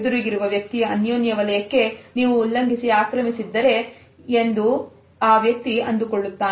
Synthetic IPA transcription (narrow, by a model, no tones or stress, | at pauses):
d̪uɾiɡiɾuʋɐʋjɐk̚t̪ijɐɐnjoːnjɐʋɐlɐjɐkːe̞niːʋulːɐŋɡʱisiaːkɾɐmisid̪ːɐɾe̞ | end̪u | aːʋjɐk̚t̪iɐnd̪uko̞ɭːut̪ːaː